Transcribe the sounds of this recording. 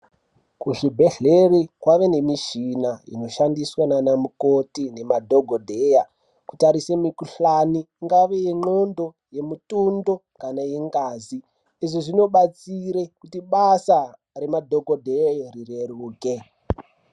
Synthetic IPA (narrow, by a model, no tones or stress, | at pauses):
kuɮibʱeɮerikwaʋe̞ne̞miʃinaḭno̞ʃandiswananamukotine̞madʱoɡʱodʱeja | ku̥taɾisemikuɬaniːŋɡaʋejeŋ͡ǃondo̞ | je̞mutundo̞ | kanajeŋɡaːzi | iʐoʐino̞ɓat͡siɾe̞kutiɓasa | re̞madʱoɡʱodʱejorireruːke̞